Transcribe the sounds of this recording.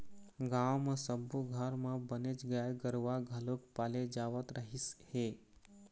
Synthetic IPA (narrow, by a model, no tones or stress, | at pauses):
ɡãwmə̃səbuɡʱaɾmãbənet͡ʃɡəaɡəɾʋaɡʱəlokpaled͡ʒaːʋət̪ɾʔəɦishe